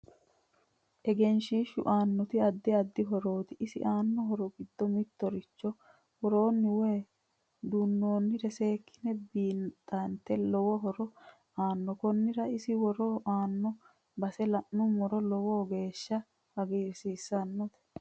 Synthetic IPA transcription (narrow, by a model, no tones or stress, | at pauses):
ʔɛɡɛnʃiːʃʊ̰ʔaːnːɔt̪ɪɐd̪ːɪɐd̪ːɪɦɔɾo̞ːt̪ɪʔɪsɪ̰ʔaːnːɔɦɔɾɔɡɪd̪ːɔmɪt̪ːɔɾɪt͡ʃːɔ | wɔɾo̞ːnːɪweː | d̪unːo̞ːnːɪɾɛse̞ːkʰːɪ̥nɛbiːnt̪ʼːɐnt̪ːɛlɔwɔɦɔɾɔ | aːnːɔkɔnːɪɾɐɪsɪwɔɾoːʔaːnːɔ | bɐsɛlɐʔːʊmɔɾɔlɔwoːɡe̞ːʃːɐ | ɐɡiːɾsiːsːɐnːɔt̪ɛ̥